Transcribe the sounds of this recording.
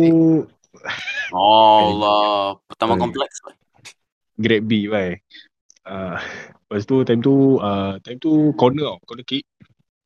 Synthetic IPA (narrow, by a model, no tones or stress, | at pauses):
u | ɔlɔpət̪amakɔmplɛksba | ɡɾɛt̚bibaj | əbast̪ut̪ãjmt̪uət̪ajmt̪ukɔnəakɔnəkiʔ̚